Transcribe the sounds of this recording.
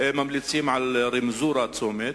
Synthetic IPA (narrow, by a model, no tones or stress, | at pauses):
ʔeːmamlit̪siːmʕalɾimzuːɾˤɑt̪soːmeːt̪̚